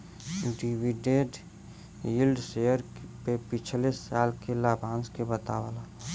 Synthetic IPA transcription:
ɖiwiɖeɖ | ilɖsejəɾpepɪt͡ʃʰlesaːlkelaːbʱãːnskebət̪a̰ʋa̰la

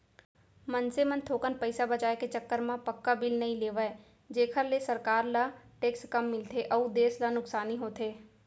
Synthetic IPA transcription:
mənsemənt̪ʰoːkənpəɪsabɐt͡ʃaːeket͡ʃəkːəɾmãpɐkːabɪlnɐĩleːʋəe | d͡ʒeːkʰəɾlesəɾkaːɾlaʈeːkskɐmːɪlt̪ʰeʔəud̪eːslanʊksaːniɦoːt̪ʰeː

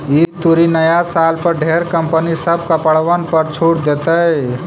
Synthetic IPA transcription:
it̪uɾinəjasalpəɾɖʱeɾkəmpənisəb̚kəpəɽʋənpəɾt͡ʃʰuʈd̪et̪ə

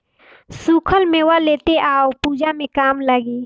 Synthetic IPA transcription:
suːkʰəlmẽwaleːt̪eʔaːopuːd͡ʒamẽkaːmləɡeː

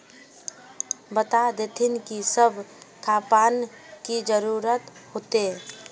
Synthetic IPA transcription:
bət̪ad̪et̪ʰɪnkisəbʱkʰaːpaːn | kid͡ʒəɾuːɾət̪hoːt̪e

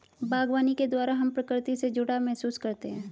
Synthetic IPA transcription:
baːɡwaːniked̪waːɾaɦɐmpɾɐkɾɪt̪ised͡ʒʊɽamɛɦsuːskɐɾt̪eɦɛ̃ː

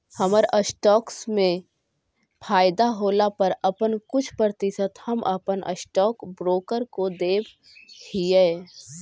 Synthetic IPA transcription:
hɐməɾəsʈɔːksmẽ | pʰaːɪd̪aɦoːlapɐɾɐpənkʊt͡ʃʰpəɾt̪ɪsət̪hɐmʔɐ̰pənʔə̰sʈɔːkbɾoːkəɾkod̪eːb | hiɛː

